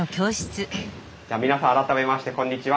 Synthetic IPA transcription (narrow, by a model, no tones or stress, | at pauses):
okʲo̞ːɕi̥t͡sɨ | d͡ʑaːmʲinasãaɾat̪ame̞maɕi̥t̪e̞kõ̞ɲ̟ːit͡ɕiβa